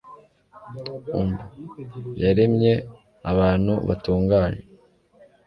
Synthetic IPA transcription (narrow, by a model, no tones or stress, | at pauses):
umbujaɾemɲe̞ | aβaːn̥hṵβa̰tuːŋɡaːɲe